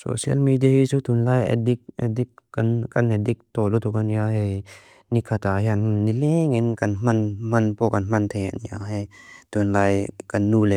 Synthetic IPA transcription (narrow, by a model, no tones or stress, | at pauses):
so̰sia̰lmidiahisut̪unlajɛ̰dikʔɛ̰dikkankanɛdik̚t̪ɔlut̪ʰukanjaɦej | nikʰːat̪ahjanmnnːileŋinkanm̥anm̥anpokanmant̪ʰea̰njaɦet̪unlajkanːulɛ